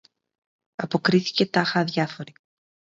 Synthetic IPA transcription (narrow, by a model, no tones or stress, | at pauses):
ɐpo̞kɾiθi̥ce̞t̪ɐxɐðʝɐfo̞ɾi